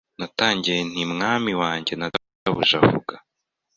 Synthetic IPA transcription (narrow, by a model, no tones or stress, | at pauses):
nataːɲɟijen̥imŋaːmiwaːɲɟe̞na | aβuʒavṵɡa